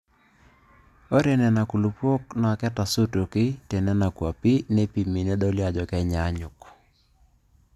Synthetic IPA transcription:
o˦ɾe˨nɛ˨na˨ku˨lu˨pwo˦kna˨kɛ˦ta˨so˦to˨kɪ˦te˨nɛ˦na˨kwa˨pi˦ne˦pi˨mi˨ne˦dɔ˦lja˨d͡ʒɔ˨kɛ˦ɲa˨˦ɲʊ˨k

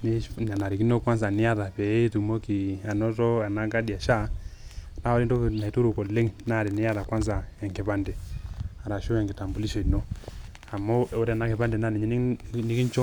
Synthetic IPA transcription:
n˦na˨na˨ɾi˨ki˦no˦kwa˦ns̬a˨nɪ˦a˦ða˨pɛ˨˦tu˨mo˦ki˨a˨nɔ˦tɔ˦a˨na˦ka˦da˨ʃa˦˨ | na˦ɔ˦ɾi˦ndɔ˦kna˨i˨tu˦ɾu˨kɔ˨le˦ŋna˦˨ɾɛ˨nɪ˦a˦ða˨kwa˦ns̬a˨ɛ˨ŋkɛ˨pa˦ndɛ˨a˨ɾa˨ʃo˦ɛ˨ŋɡɪ˨ta˨mbu˨li˦ʃɔ˨no˦ | a˨mɔ˦o˦ɾɛ˦˨na˦kɛ˨pa˦ndɛ˨na˦˨nɛ˨ɲ˦nɪ˦ki˦n˦t͡ʃɔ˦

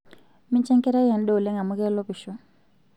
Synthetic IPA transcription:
mi˦ɲt͡ʃɛ˦ŋkɛ˦ɾa˦jɛ˨n˦ɗɛ˦u˨lɛ˦ŋa˨mu˦kɛ˦lɔ˦pi˨ʃɔ˦

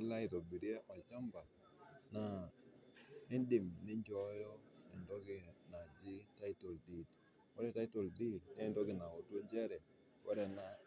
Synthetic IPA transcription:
la˦ɪ˨to˨bi˨ɾa˦ʔɔ˨t͡ʃa˦mba˨ | na˨ | ɪ˦ndɪ˨mnɪ˦ɲd͡ʒɔ˦jɔ˦ɛ˨ndɔ˦ɡɪ˨na˨d͡ʒɪ˦ta˦i˦to˨ldi˨t | wɔ˦ɾɛ˦ta˦i˦to˨ldi˦tnɪ˦˨ndɔ˦ɡɪ˨na˨wo˨to˦ɲd͡ʒɛ˦ɾɛ˨ | wɔ˦ɾɛ˦˨na˨

